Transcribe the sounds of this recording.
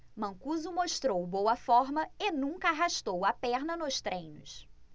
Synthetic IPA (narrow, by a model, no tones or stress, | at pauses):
mɐ̃ŋkuzʊmoʃt̪ɾowbowɐfɔɾmɐɪnũŋkɐaɦaʃt̪owɐpɛɾnɐnʊʃt̪ɾʔẽj̃nʊ̰s